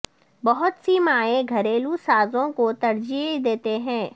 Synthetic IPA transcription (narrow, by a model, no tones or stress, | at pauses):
bɐɦʊt̪simaːeɡʱɐɾeːlusaːzõkot̪ɐɾd͡ʒid̪eːt̪eɦɛ̃ː